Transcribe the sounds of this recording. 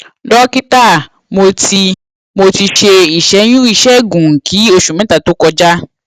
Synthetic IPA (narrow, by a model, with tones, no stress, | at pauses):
ɖɔ˦ki˦ta˦˨ | mo˧ti˧ | mo˧ti˧t͡ʃe˧i˨ʃɛ˨˦ɲũ˦i˨ʃɛ˦ɡũ˨ŋ̩˨kʰi˨˦o˧ʃu˨mɛ̃˨˦ta˨t̪o˨˦kɔ˧d͡ʒa˦